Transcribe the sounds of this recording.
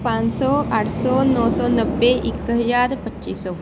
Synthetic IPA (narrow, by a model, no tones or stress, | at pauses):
pãːɲsɔːaːʈʰsɔːnɔːsɔːnəbːeʔikt̪əɦəd͡ʒaːɾpət͡ʃːʃiːsɔː